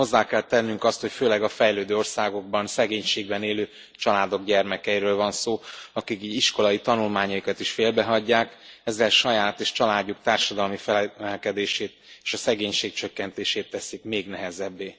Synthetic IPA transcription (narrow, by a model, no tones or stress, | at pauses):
ho̞zːaːkɛlt̪ɛnːyŋkɒst̪ho̞cføːlɛɡɒfɛjløːd̪øːo̞rsaːɡo̞ɡ̚bɒnsɛɡeːɲʃeːɡbɛneːløː | t͡ʃɒlaːd̪o̞ɡɟɛrmɛkɛiɾøːlvɒnsoːɒkikiɟiʃko̞lɒit̪ɒnulmaːɲɒikɒt̪iʃfeːlbɛɦɒɟːaːkɛzːɛlʃɒjaːt̪eːʃt͡ʃɒlaːɟːuk̚t̪aːrʃɒd̪ɒlmifɛɛlkɛd̪eːʃeːt̪̚eːʃɒsɛɡeːɲʃeːk̚t͡ʃøkːɛnt̪eːʃeːt̪ːɛsikmeːɡnɛɦɛzɛbːeː